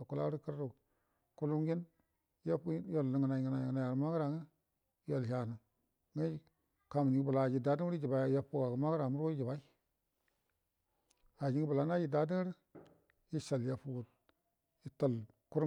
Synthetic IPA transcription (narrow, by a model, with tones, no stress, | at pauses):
a˨ku˦la˦ɾi˦kə˦ɾɾu˨ | ku˦lu˦mɡi˦n˦ | ja˦pjo˦˨lːə˨ŋə˨na˨ŋ˨a˨na˨ja˨ɾma˦ɡɾa˨ŋə˦ | jo˨lɦa˨nə˨ | ŋə˦˨ | ka˨m˨ni˨ɡbu˨la˨d͡ʒi˨da˦di˦ŋ˦i˦d͡ʒi˨ba˨˦ja˦pu˦ɡa˨ɡə˨ma˦ɡɾa˨mu˦ɾo˦i˦d͡ʒi˨ba˨˦i˦ | a˨d͡ʒi˦ŋə˦bla˨˦na˦d͡ʒi˨da˦di˦ŋ˦ɾi˦ | ji˦ʃa˨lja˨pu˦ɡu˨t̚ | ji˨tə˦˨l | ku˦ɾ